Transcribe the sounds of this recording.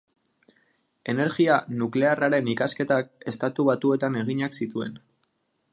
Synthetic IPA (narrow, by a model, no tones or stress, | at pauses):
e̞ne̞ɾɣianukle̞araɾe̞nikaske̞t̪ake̞st̪at̪uβat̪ue̞t̪ane̞ɣ̞iɲaksit̪ue̞̰n